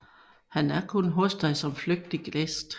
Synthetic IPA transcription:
hænæɐkʰonɦɔ̽sd̥ɑ̈ɪsɒ̽mfløɡ̥̚d̥iɡ̥lesd̥

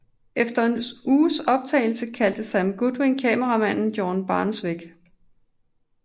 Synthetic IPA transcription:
ʔefd̥ɐenuːsɒ̽b̥̚t͡sʰɛ̰ɪl̩səkʰæld̥əsæmɡ̥ud̥ʁinkʰɛːməʁɑ̈mæn̰n̩jɒːnb̥ɑ̈ːnsʋeɡ̥

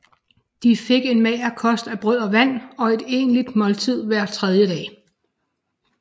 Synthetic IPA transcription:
d̥ife̝ɡ̥e̝nmɛːɐkʰɒ̽sd̥æb̥ʁœð̰ˠɒ̽ʋæn̰ɒ̽e̝d̥e̝ːnlid̥mɒ̽lt͡sʰið̞̰ˠʋæɐ̰t͡sʰʁɛð̞ˠjəd̥ɛ̰ː

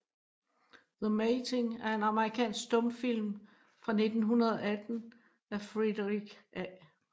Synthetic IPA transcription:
ðəmet͡sʰe̝ŋæɐe̝nɑ̈məʁikʰɛ̰ːnsɡ̥sd̥ɔ̽mfil̰m | fʁɑ̈ne̝d̥n̩ɦunɐð̞ˠɐæd̥n̩ | æfʁid̥əʁiɡ̥ʔæ

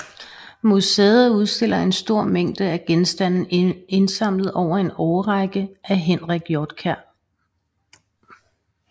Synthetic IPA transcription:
museːð̩ˠuð̞ˠsd̥e̝l̰ɐe̝nsd̥o̝ɐ̰meŋ̰d̥əæɡ̥ensd̥æn̰n̩e̝nsɑ̈m̰lð̩ˠɒʊ̰ɐe̝nɒʊɐʁɑɡ̥əʔæɦenʁiɡ̥jɒːd̥kʰæɐ̰

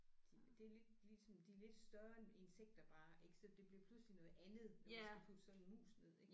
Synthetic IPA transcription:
d̥id̥e̝æle̝d̥lisɒ̽md̥ile̝d̥sd̥ɶɐe̝nseɡ̥̚d̥ɐb̥ɑ̈ːʔe̝ɡ̥sɒlɒd̥e̝b̥liɐpʰluslinɔ̽ːð̩ˠænð̞̩ˠneæpʰud̥sɒ̽d̥nmṵːsne̝ð̞̰ˠeɡ̥

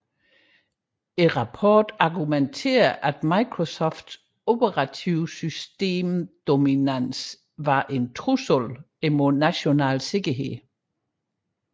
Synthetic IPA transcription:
e̝ʁɑ̈pʰɒːd̥ɑ̈ɡument͡sʰe̝̰ːɐʔæd̥mɑ̈ɪkʰʁosɔfd̥s | o̝b̥əʁɑ̈t͡sʰiʊsysd̥e̝̰ːmd̥o̝minæns | ʋɑ̈ʔe̝nt͡sʰʁusol | emoðˠnæɕo̝nɛ̰ːlse̝ɡ̥ɐɦe̝ð̰ˠ

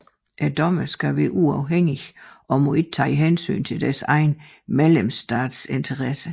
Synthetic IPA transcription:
ʔæd̥ɒ̽məsɡ̥æʋɛːʔuɑ̈ʊɦeŋ̰iʔɒ̽mɔ̽e̝ɡ̥̚t͡sʰɑ̰ːiɦensy̰ːnt͡sʰe̝ld̥æɐsɑ̈ɪn | melemsd̥ɑ̰ːd̥se̝nt͡sʰəʁɑsə

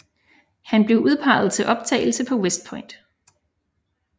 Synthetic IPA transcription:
hænb̥le̝ʊʔuð̞ˠpʰɑ̈ɪð̞̩ˠt͡sʰe̝ʔɒ̽b̥̚t͡sʰɛ̰ɪl̩səpʰɒ̽wesd̥̚pʰɒ̽ɪnd̥

